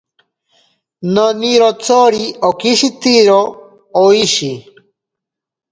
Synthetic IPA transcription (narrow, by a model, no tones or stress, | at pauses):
noniɾot͡soɾiokiʃit̪iɾo | oiɕi